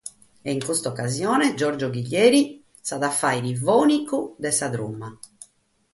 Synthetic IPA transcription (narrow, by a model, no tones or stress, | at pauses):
ɛiŋkost̪ɔkːazjɔːnɛd͡ʒɔɾd͡ʒoɡiʎːɛːɾi | saðafːajɾivɔːnikud̪ɛsad̪ɾṵmːa